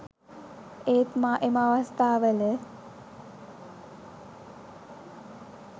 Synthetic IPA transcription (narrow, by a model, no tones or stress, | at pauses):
eːt̪maʔeməaʋast̪aːʋələ